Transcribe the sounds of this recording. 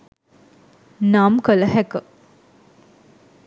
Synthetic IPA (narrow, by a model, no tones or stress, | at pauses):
namkələhɛkə